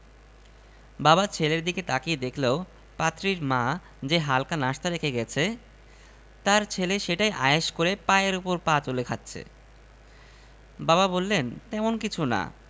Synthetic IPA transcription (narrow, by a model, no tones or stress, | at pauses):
babat͡ɕʰeleɾd̪iket̪akijd̪ekʰleo | pat̪ːɾiɾma | d͡ʑeɦalkanaʃt̪aɾekʰeɡɛt͡ɕʰe | t̪aɾt͡ɕʰeleʃeʈajʔa̰eʃkoɾepaeeɾupoɾpat͡ɕolekʰat̪ːɕʰḛ | baβabolːent̪ɛmonkit͡ɕʰuna̰